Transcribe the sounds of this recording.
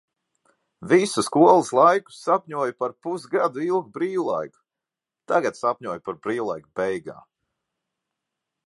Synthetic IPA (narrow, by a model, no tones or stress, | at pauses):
visuskuɔlˠislˠajku̥sːapʲɲuɔjpaɾpusɡad̪uilˠɡbɾiːwlˠa̰jku̥ | t̪aɡat̪sapʲɲuɔjpaɾbɾiːwlˠajkbɛjɡa̰ː